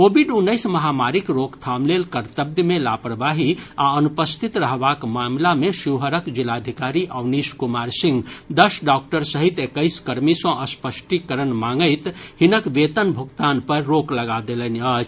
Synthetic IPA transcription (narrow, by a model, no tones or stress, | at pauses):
kobʱiɖunːəɪsməɦamaɾikɾokt̪ʰamlelkəɾt̪əb̚d̪melapɾəbaɦiaənupəst̪ʰit̪ɾəɦbakmamlameʃiwɦəɾəkd͡ʒilad̪ʱikaɾiʔəwniskumaɾsĩŋɡd̪əsɖɔk̚ʈəɾsəɦit̪ekəɪskəɾmisə̃ʔəspəsʈikəɾənmaŋɡəɪt̪hinəkʋet̪ənbʱukt̪anpəɾːokləɡad̪elənət͡ʃʰ